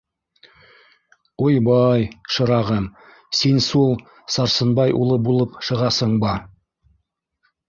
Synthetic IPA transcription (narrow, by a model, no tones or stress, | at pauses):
ujbɑjʃə̆ɾɑʁəm | sensulˠ | sɑɾsənbɑjʔṵlˠəbulˠəpʃəʁɑsəɴbɑ